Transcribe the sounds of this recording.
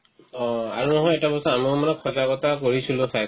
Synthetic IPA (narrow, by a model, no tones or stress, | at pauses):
ɔa̰ɹunɔɦɔjɛtabɔsɔamiʊmanɛkʰɔzakɔtakoɹisilʊ̃saj